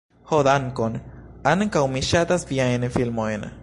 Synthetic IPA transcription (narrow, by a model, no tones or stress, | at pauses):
hod̪ankonankawmiʃat̪asbiaenefilmoena̰